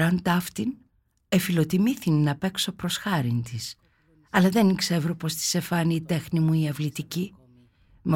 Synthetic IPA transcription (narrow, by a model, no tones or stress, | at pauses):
ɾɐnt̪ɐft̪in | efilo̞t̪imiθinːɐpe̞kso̞pɾo̞sxɐɾint̪is | ɐlɐðenikse̞vɾo̞po̞st̪i̥se̞fɐniːt̪e̞xnimuiɐvlit̪ici | me